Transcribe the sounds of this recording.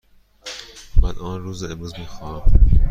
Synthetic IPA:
mænʔɒːnɾuːzemɾuːzmiːxɒːæm

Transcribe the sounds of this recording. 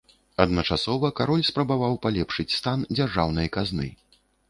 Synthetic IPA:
ɐd̪nɐt͡ʂasɔvɐkaɾɔlʲspɾɐbavawpalʲɛpʂɨt͡sʲst̪and͡zʲarʐawnɐjɐkaznɨ̰

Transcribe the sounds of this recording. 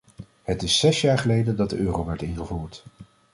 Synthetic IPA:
hətɪsːɛsjaːɹχəlejdəndɑt̚dəʔøːrowʋɛɹtɪnχəvuːɹt

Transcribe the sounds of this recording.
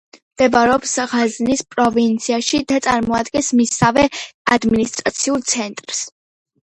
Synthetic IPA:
md̪̥ɛbaɾɛɔpsʁaznispʼɾɔvint̪sʰiaʃid̪at̪sʼaɾmɔad̪ɡɛ̃nsmisavɛad̪minist̪ʼɾat̪sʰiulˠt̪sʰɛnt̪ʼɾs

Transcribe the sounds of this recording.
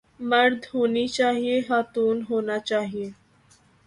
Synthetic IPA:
məɾd̪ʱɦonit͡ɕaɦieɦat̪uːnɦonat͡ɕaɦie

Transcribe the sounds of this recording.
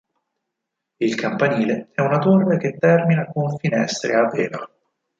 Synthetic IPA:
ilkampaniːleɛunat̪orːek̟et̪ːɛrminakonfinɛ̰st̪ɾḛaveːla̰

